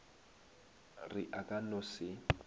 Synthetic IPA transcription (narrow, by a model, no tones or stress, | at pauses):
rɪʔakʼanʊsɪ